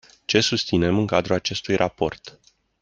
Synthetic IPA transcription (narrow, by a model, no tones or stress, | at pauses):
t͡ʃe̞sust̪sine̞mɨŋkad̪ɾuat͡ʃe̞st̪ujrʔapo̞̰rt̪